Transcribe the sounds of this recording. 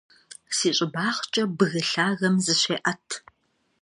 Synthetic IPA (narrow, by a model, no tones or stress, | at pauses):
siːɕʼɪbaːχt͡ʃʼɐbɨɣɨɬaːɣɐmzɨɕʷeːʔɐtʰ